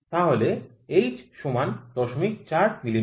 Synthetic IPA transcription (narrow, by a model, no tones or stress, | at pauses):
t̪aɦole | ejd͡ʑʃomand̪ɔʃomik̚t͡ɕaɾmili